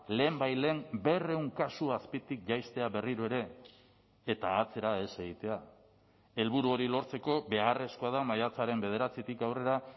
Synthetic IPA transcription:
le̞ːmbajle̞ŋbe̞re̞uŋkasuaspit̪ik̚ʝajst̪e̞aβe̞riɾoe̞ɾe̞ː | t̪aːt͡se̞ɾae̞se̞ɣ̞it̪e̞a | e̞lβuɾuo̞ɾilo̞ɾt͡se̞ko̞βe̞are̞skoaðamajat͡saɾe̞mbe̞ð̞e̞ɾat͡sit̪ikawre̞ɾa

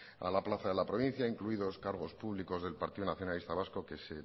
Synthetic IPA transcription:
a̰laplaθaðe̞lapɾo̞βĩn̟θjaiŋkluiðo̞skaɾɣo̞spuβliko̞zðe̞lpaɾt̪iðunaθjo̞nalist̪aβasko̞ke̞se̞

